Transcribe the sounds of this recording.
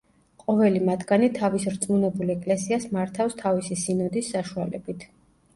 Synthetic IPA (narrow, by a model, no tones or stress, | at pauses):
qʼɔvɛlimat̪ɡanit̪ʰavisɾt̪sʼmunɛbulɛkʼlɛsiasmaɾt̪ʰafst̪ʰavisisinɔd̪isːaʃualɛ̰bit̪ʰ